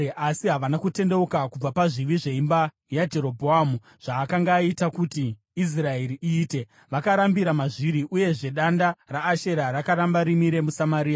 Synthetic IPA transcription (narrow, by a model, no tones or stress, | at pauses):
asiɦaʋanakute̞nde̞ukakub͡vapaʐiʋiʐe̞imba | jad͡ʒe̞ɾo̞bʱoamu | ʐ̥aːkaŋɡaːitakutiː | s̬rae̞ɾiʔiːte̞ | ʋakaɾambiɾamaʐiɾiʔuje̞ʐe̞ɗandaraːʃe̞ɾaɾakaɾambaɾimiɾe̞musamaɾiːa